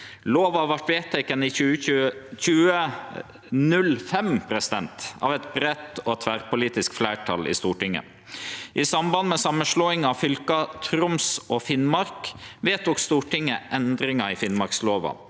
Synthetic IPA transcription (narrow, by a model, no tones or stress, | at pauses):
loːʋɑʋɑʈʋeːt̪ʰːɛkːənɪʉçʉːə | nʉlfɛmpʰɾɛsɪd̪ɛnt̪ɑ̰ʋɛt̪bɾɛt̪ɔt̪ʰʋæːɾpʊliːt̪ɪskflæːʈʰɑ̰lɪ̰ːst̪uːʈɪŋːə̰ | ʔisɑmbɑnd̪mɛsɑmːənʂɭoːɪŋɑʋfʏlkɑt̪ʰɾʊmsɔfɪnmɑɾkʋeːt̪ʊkst̪uːʈʰɪŋːəʔɛnd̪ɾɪŋɑɪfɪnmɑɾksloːʋɑ̰